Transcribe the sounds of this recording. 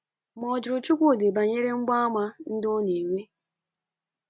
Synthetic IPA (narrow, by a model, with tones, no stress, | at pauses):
mɔ˨d͡ʒɾʊ˨t͡ʃu˦kʷo˦˨de˨ba˨ɲe˦ɾe˦ŋ͡m̩˦ɡ͡ba˦a˦ma˦n̩˦dɔ˦ne˨ŋʷe˦